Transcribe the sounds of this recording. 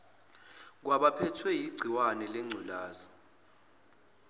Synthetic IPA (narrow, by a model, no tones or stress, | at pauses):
k̬waɓapʰɛtʰwɛjiɡ͡ǀʱiwanɛlɛŋ͡ǀʱulaːzi